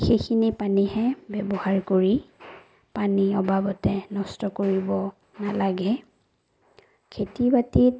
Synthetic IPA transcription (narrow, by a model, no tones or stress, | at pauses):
xejkʰinipanihɛbɛbɔhaɹkoɹi | paniɔbabɔtɛnɔstɔkoɹibɔ | nalaɡɛ | kʰetibatit